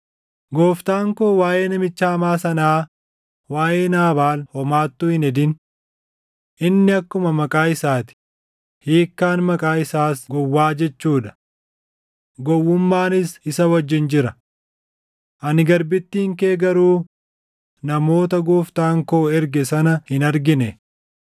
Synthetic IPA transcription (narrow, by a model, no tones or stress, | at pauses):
ɡoːft̪aːŋkoːwaːʔe̞ːnɐmɪt͡ʃːaːmaːsɐnaː | waːjeːnaːbaːlhɔmaːt̪ːʊhɪnɛd̪ɪn | ʔɪnːɪɐkːʊmɐmɐkʼaːɪsaːt̪ɪ̥ | hiːkːaːnmɐkʼaːɪsaːsɡɔwːaːd͡ʒɛt͡ʃːuːᶑɐ̥ | ɡɔwːʊmːaːnɪsɪsɐwɐd͡ʒːɪnd͡ʒɪɾɐ | ʔɐnɪɡɐɾbɪt̪ːiːŋkeːɡɐɾuː | nɐmo̞ːt̪ɐɡuːft̪aːŋkoːɛɾɡɛsɐnɐhɪnɐɾɡɪnɛ